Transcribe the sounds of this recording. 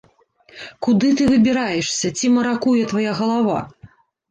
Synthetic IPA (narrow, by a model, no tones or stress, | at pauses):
kud̪ɨt̪ɨvɨbʲiɾajɛʂsʲɐt͡sʲimɐɾakujɛt̪vajaɣɐlˠava̰